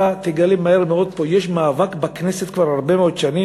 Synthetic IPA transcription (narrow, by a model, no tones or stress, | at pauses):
at̪eɡalimaheʁmeo̞d̪̚po̞jeʃmaːvakbakneset̪kvaʁhaʁbemeod̪ʃani